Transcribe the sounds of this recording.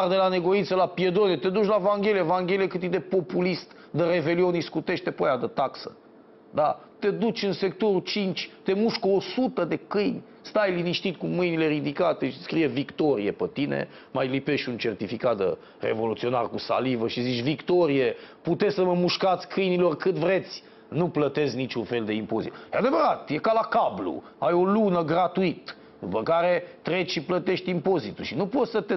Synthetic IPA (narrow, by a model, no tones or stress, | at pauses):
rd̪elane̞ɡo̞int̪səlapie̞d̪onet̪e̞d̪ut͡ʃlavaŋɡʲe̞lijevaŋɡʲe̞liekɨt̪id̪epo̞pulist̪ | d̪əɾe̞ve̞lioniskut̪e̞ʃt̪epojad̪ət̪aksə̰ | d̪a | t̪e̞d̪ut͡ʃʲɨnse̞k̚t̪o̞ɾut͡ʃint͡ʃʲt̪e̞muʃkosut̪əd̪e̞kɨjnʲ | st̪ajliniʃt̪it̪kumɨjnile̞ɾid̪ikat̪eʃiskɾije̞vikt̪o̞ɾije̞pət̪inḛ | majlipe̞ʃt̪ʲunt͡ʃe̞rt̪ifikat̪ə | rḛvo̞lut̪sio̞narkusa̰livəʃizit͡ʃʲvikt̪o̞ɾijeput̪e̞sʲsəməmuʃkat̪sʲkɨjnilo̞rkɨvɾe̞t̪sʲ | nuplət̪e̞znit͡ʃunfe̞ld̪e̞impo̞̰zḭt̪jead̪e̞vəɾat̪je̞kalakablṵ | ajo̞lunəɡɾat̪uit̪ | d̪upəkaɾe̞t̪ɾe̞t͡ʃʃiplət̪e̞ʃt̪ʲimpo̞zit̪ulʃinupo̞t̪sət̪e